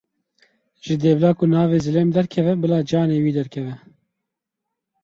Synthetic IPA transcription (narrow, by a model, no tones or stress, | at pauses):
ʒ̥ɪd̪eːblɑːkunɑːveːzɨleːmd̪ɛɾkʰɛvɛbɨlɑːd͡ʒɑːneːwiːd̪ɛɾkʰɛvɛ